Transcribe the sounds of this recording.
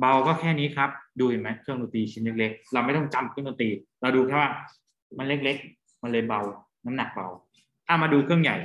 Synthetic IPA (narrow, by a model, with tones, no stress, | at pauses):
ba˧wkɔː˥˩kʰɛː˥˩niː˦˥kʰa˦˥p̚duː˧hi˨˩ma˦˥jkʰɯ˥˩əŋnuː˧˩t̪iː˧t͡ɕʰi˦˥nle˦˥k̚le˦˥k̚ɾa˧wma˥˩jt̪ɔ˥˩ŋt͡ɕa˧˩mk̚ʰːno˧nt̪iː˧ɾa˧wduː˧kʰaː˦˥˩waː˥˩ | ma˧nle˦˥k̚le˦˥k̚ | ma˧nlɤː˧jba˧w | na˦˥mna˨˩k̚ba̰˧w | t̪ʰaː˥˩maː˧duː˧kʰɯ˥˩əŋja̰˨˩j